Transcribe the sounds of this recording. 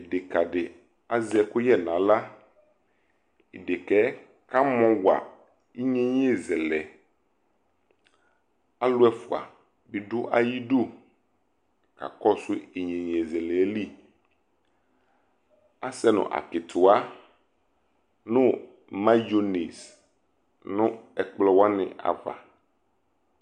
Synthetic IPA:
e˨dɪ˨ka˨dɪ˨ | a˦zɛ˨kʊ˦jɛ˦nã˨la˦ | i˨dɪ˨kɛ˦ | ka˦mɔ̃˨wa̰˨ | i˦ɲẽ˦ɲ˦e˦˨zɛ˨lɛ˨ | a˦lʊ˦ɛ˦fʊ˨a̰˨ | bi˨ɖʊ˦ʔa˦ji˦do˦˨ | ka̰˨kɔ˦su˦i˨ɲẽ˨ɲ˨e˨zɛ˨lɛ˨˦li˦ | a˦sɛ˦nʊ̰̃˨ʔa̰˨kɪ˨t̪ʰʊ˨a˦ | nʊ̃˦ | mã˦jo˦ne˨s | nʊ̃˦ɛ˨k͡plɔ˦wa˦nɪ̰̃˨ʔa̰˨va̰˨

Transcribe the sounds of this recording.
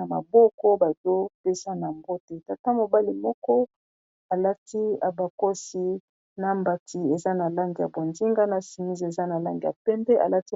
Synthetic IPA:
a˨ma̰˨bɔ˦kɔ˦ba˨zo˦pe˦sa˦na˨mbo˦te˨ta˨ta˦mo˨ba˦li˨mɔ˦kɔ˦ | a˨la˦ti˦a˨ba˨ko˦si˦ | na˦mba˨tʰi˨e˨za˦na˨la˦ŋɡi˨ja̰˨bo˨nzi˦ŋɡa˦na˨si˨mi˦zi˦˨e˨za˦na˨la˦ŋɡi˨a̰˨pɛ˦mbɛ˦ʔa̰˨la˦ti˦

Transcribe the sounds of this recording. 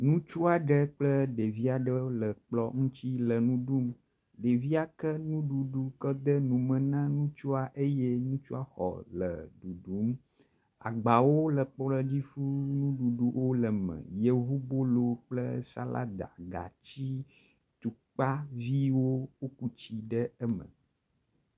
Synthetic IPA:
nũ˦t͡ʃu˦a˨ɖə˦k͡plə˦ɖe˨vi˦a˨ɖə˦lə˨k͡plɔ˦ŋũ˦t͡ɕi˦lə˨nũ˦ɖu˦m | ɖe˨vi˦a˨kə˦nũ˦ɖu˨ɖu˦kə˦d̪ə˦nũ˨mə̃˨nã˦nũ˦t͡ʃu˦a˨ʔe˦jɛ˦nũ˦t͡ʃu˦a˦xɔ̰˨lə̰˨ɖu˨ɖu˨˦m | a̰˨ɡ͡ba˨wo˦lə˨k͡pɔ˦lə˦d͡ʑi˦fu˦nũ˦ɖu˨ɖu˨wʔo˦lə˨mɛ̰̃˨je˦vu˦bo˦lo˦k͡plə̰˦sa̰˦la̰˦d̪a̰˨ɡa̰˨t͡ɕi˦ | t̪u˨k͡pa˦vi˦wo˦wo˦ku˦t͡ɕi˦ɖə˦ɛ˦mə̰̃˨

